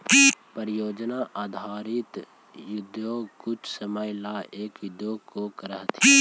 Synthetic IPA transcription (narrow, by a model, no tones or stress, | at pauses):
pəɾɪjoːd͡ʒnaʔaːd̪ʱaːɾɪt̪ | jʊd̪oːkʊt͡ʃʰsəməjlaːeːkʊd̪joːkokəɾəɦt̪ʰi